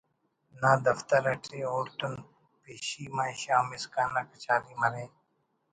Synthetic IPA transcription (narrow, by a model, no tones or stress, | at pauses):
naːd̪ɐft̪əɾɐʈʰɾiːoːɾt̪ʊn | peːʃiːmaːiʃaːmɪskaːnakɐt͡ʃaːliːmɐɾẽː